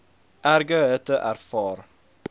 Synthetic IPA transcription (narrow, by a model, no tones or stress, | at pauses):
ʔæɾɡœɛt̪əʔæɾfɑːɾ